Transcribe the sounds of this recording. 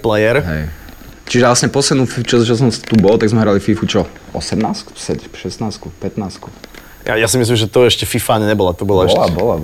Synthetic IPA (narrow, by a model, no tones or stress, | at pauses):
plɛjɛɾɦɛ̰j | t͡ʃiʒɛlasɲɛpɔslɛd̪nuːfifut͡ʃɔt͡ʃɔs̬ɔmst̪ubɔlt̪aɡzmɛɦɾalififut͡ʃɔɔ̰sɛmnaːsksɛʃɛsnaːskupɛt̪naːsku | ja̰jasimis̬limʒɛt̪ɔɛʃcɛfifaːɲɛɲɛbɔlat̪ɔbɔlaɛʃabɔla